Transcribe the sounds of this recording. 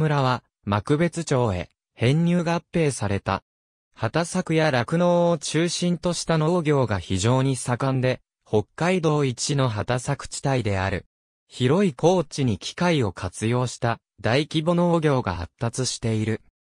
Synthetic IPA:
mɯ̟ɾaβ̞a | makɯ̟be̞t͡sɨt͡ɕo̞ːe̞̰ | hẽ̞ɲ̟ːʲɨːɡapːe̞ːsaɾe̞t̪a̰ | hat̪asakɯ̟jaɾakɯ̟no̞ːt͡ɕɨːɕĩnt̪o̞ɕi̥t̪ano̞ːɡʲo̞ːɡaçiʑo̞ːɲ̟isakãnd̪e̞ | ho̞kːaid̪o̞ːit͡ɕino̞ɦat̪asakɯ̟̥t͡ɕi̥t̪aid̪e̞a̰ɾɯ̟ | çiɾo̞iko̞ːt͡ɕiɲ̟ikʲʰi̥kaio̞kʰat͡sɨjo̞ːɕi̥t̪a | d̪aikʲibo̞no̞ːɡʲo̞ːɡa̰ha̰t̪ːat͡sɨɕi̥t̪e̞iɾɯ̟

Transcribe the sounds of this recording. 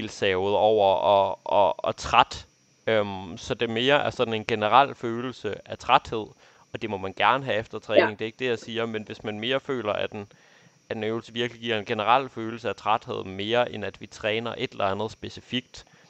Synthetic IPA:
elsɛʊð̞̩ˠɒʊ̰ɐɒɒːt͡sʰʁad̥ | ømsɒ̽d̥e̝me̝ːɐʔæɐsɒ̽d̥n̩e̝nɡ̥e̝nəʁal̰føːl̩səæt͡sʰʁad̥he̝ð̰ˠ | ɒ̽d̥e̝mɒ̽mænɡ̥æɐnəɦæefd̥ɐt͡sʰʁɛːne̝ŋd̥e̝eɡ̥̚d̥e̝jasiːɐmenʋe̝smænme̝ːɐfø̰ːlɐʔæd̥en | æ̥enøʊl̩səʋiɐɡ̥liɡ̥iɐ̰e̝nɡ̥e̝nəʁal̰føːl̩səæt͡sʰʁad̥he̝ð̞̰ˠme̝ːɐʔenæd̥ʋit͡sʰʁɛːnɐʔe̝d̥elɐænð̞̩ˠsb̥e̝sifiɡ̥̚d̥

